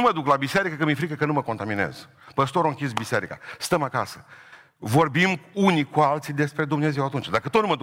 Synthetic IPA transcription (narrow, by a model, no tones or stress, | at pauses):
məd̪uklabiseɾikəkəmifɾikəkənuməko̞nt̪aminḛz | pəst̪o̞ɾoɨŋkʲis̬bise̞ɾika̰st̪əmaka̰sə | vo̞rbimunikualt̪sid̪e̞spɾe̞d̪umneze̞wat̪unt͡ʃd̪akət̪ot̪numəd̪u